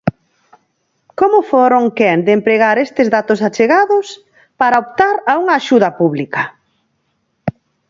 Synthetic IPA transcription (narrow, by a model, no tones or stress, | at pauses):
komʊfoɾoŋkɛnd̪empɾeɣaɾest̪ɪzðat̪ʊsat͡ʃeɣaðʊs | paɾaopt̪aɾauŋɐːʃuðɐpuβlikɐ